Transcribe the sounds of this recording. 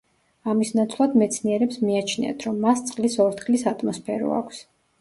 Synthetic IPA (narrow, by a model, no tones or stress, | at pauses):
amisnat̪sʰlˠad̪mɛt̪sʰniɛɾɛpsmiat͡ʃʰnḭa̰t̪ʰɾɔmːast̪sʼqʼlisɔɾt̪χlisat̪ʼʰmɔspʰɛɾɔ̰a̰kʷʰs